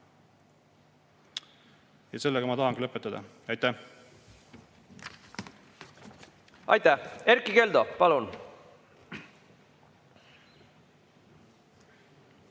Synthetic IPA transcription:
jɑse̞lːeɡ̥ɑmɑt̪ɑɦɑŋɡilɤpːˑet̪ːˑɑd̪̥ɑ̰ | ɑjt̪ːæh | ɑ̰jt̪æhe̞ɾkːˑike̞ld̪̥opɑlun

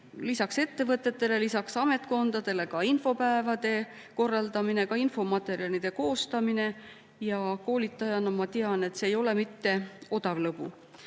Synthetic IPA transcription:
lisɑkse̞t̪ːe̞vɤt̪ːˑe̞t̪ːe̞le̞lisɑksɑme̞t̪ˑko̞nd̪̥ɑd̪̥e̞le̞kɑinfo̞pæevɑd̪̥e̞ | ko̞rːɑld̪ɑmine̞kɑinfo̞mɑt̪ˑe̞ɾiɑlid̪̥e̞ko̞ːst̪ɑmine̞ | jɑko̞ːlit̪ːˑɑjɑnɑmɑt̪eɑne̞t̪ːˑse̞ːjo̞lemit̪ːe̞o̞d̪̥ɑvlɤbṵ

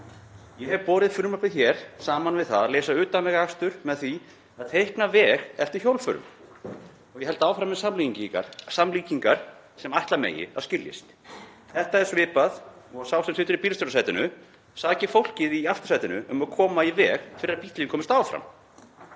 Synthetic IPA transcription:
jɛhɛvpɔːɾɪðfʏɾmapɪðçɛɾ̥saːmanvɪðθaðaleːsaʏːt̪anvɛɣaxst̪ʏɾmɛðθi | aðt̪ʰejhknavɛːɣɛl̥t̪ɪçjowlfʏ̰ɾʏ̰m | ɔɣjɛhɛlt̪aːwfɾamɛðsamliːciŋciŋka̰ɾ̥samliːciŋkaɾ̥ | sɛmajht̪lamḛːjɪ̰aðscɪljɪ̰st̪ | θɛht̪aɛɾ̥svɪːpað | ɔsawsɛmsɪːt̪ʏɾipilst̪œɾasaːjt̪ɪnʏ | saːcɪfowl̥cɪðiaft̪ʏ̥ɾ̥ajt̪ɪnʏ̰ʔʏmaðkʰɔːmaivɛːɣfɪɾɪɾapiht̪lɪɪnkʰɔːmɪst̪aːwfɾa̰m

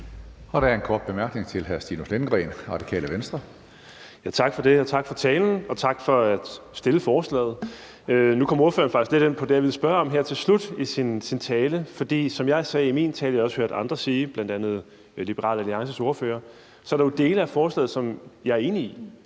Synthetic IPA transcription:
ɒ̽ɾ̥æɐenkʰɒːd̥̚b̥e̝mæɐɡ̥ne̝ŋt͡sʰe̝lɦæɐsd̥ḭːnuslenɡ̥ʁɛ̰ːnʁɑ̈d̥ikʰɛ̰ːləʋensd̥ʁɐ | jæt͡sʰɑ̈ɡ̥fɒ̽d̥e̝ɒ̽t͡sʰɑ̈ɡ̥fɒ̽t͡sʰɛːln̩ɒ̽t͡sʰɑ̈ɡ̥fɒ̽æd̥sd̥e̝ləfɒːslɛ̰ːð̩ˠ | ønukʰɒ̽mɐuɐføːɐnfɑ̈ɡ̥isɡ̥le̝ɾ̥enpʰɒ̽d̥eæɐʋisb̥ɶɐɒ̽mɦeɐ̰t͡sʰe̝lslud̥isinsint͡sʰɛːləfɒ̽d̥ḭːsɒ̽mjɑ̈ɪsɛːimḭːnt͡sʰɛːljɒ̽shøɐ̰d̥ɑ̈nd̥ʁɐsiːb̥lænd̥ænð̞̩ˠ | lib̥əʁɑ̰̈ːlæliɑ̈ŋsəso̝ɐfø̰ːɐ | sɒɐɾ̥ɑjo̝d̥e̝ːləæfɒːslɛ̰ːð̞̩ˠsɒ̽mjɑ̈æɐe̝ːnii

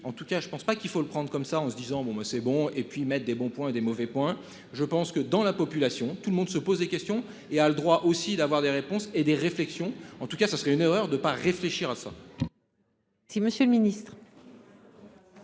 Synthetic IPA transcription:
ɑ̃t̪ukaʒəpɑ̃spakilfoləpχɑ̃d̪ʁkɔmsaɑ̃səd̪izɑ̃bɔ̃basɛbɔ̃epɥimɛt̪̚d̪ebɔ̃pwɛ̃d̪emɔvɛpwɛ̃ | ʒəpɑ̃skəd̪ɑ̃lapɔpylasjɔ̃t̪uləmɔ̃d̪səpozd̪ekʲɛst̪jɔ̃ | ealəd̪ʁwaʔosid̪avwaʁd̪eʁepɔ̃sed̪eʁeflɛksjɔ̃ɑ̃t̪ukasasəʁɛyneʁœʁd̪əpaʁefleʃiʁasa | siməsjøləminist̪χ

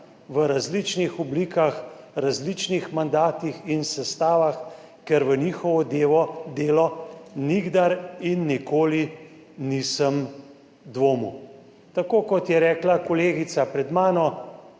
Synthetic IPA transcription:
ʋəɾazlit͡ʃnixɔbliːkax | ɾazlit͡ʃnixmand̪aːt̪ixinsɛst̪aːʋax | kɛɾʋəniːxɔʋɔd̪eːʋɔd̪eːlɔniɡd̪aɾinːikoːli | nisəm | d̪ʋoːmu | t̪akoːkɔt̪jɛɾɛːklakɔleːɡisapɾɛd̪maːnɔ

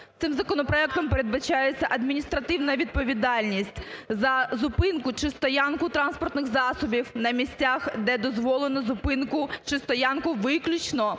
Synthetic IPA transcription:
t̪ɪmzɐkɔnɔpɾɔɛk̚t̪ɔmpeɾed̪̚bɐt͡ʃajet͡sʲːɐʔɐd̪mʲinʲist̪ɾɐt̪ɪwnɐʋʲid̪̚pɔʋʲid̪ɑlʲnʲisʲtʲzɐzʊpɪnkʊt͡ʃɪst̪ɔjankʊt̪ɾɑnspɔrt̪nɪxzɑsɔbʲiwnɐmʲisʲtʲaxd̪ɛd̪ɔzʋɔlˠenɔzʊpɪnkʊt͡ʃɪst̪ɔjankʊʋɪklʲʊt͡ʃnɔ

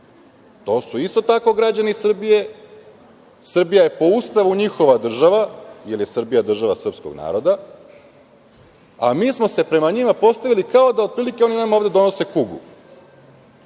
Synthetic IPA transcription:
t̪o̞ːsuist̪o̞t̪ako̞ɡɾad͡ʑanisr̩bije̞ | sr̩bijaje̞po̞ust̪aʋuɲixo̞ʋad̪r̩ʒaʋajelje̞sr̩bijad̪r̩ʒaʋasr̩pskoɡna̰ːɾo̞d̪a | a̰miːsmo̞se̞pɾe̞maɲimapo̞st̪aʋilikao̞d̪aod̪̚pɾiːlikeo̞ninamaoːʋd̪e̞d̪o̞nose̞kuɡṵ

